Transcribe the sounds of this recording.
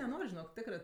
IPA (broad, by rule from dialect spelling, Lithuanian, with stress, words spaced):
nʲɛˈnoːrʲ ʒʲɪˈnoːk ˈtʲɪkrɜ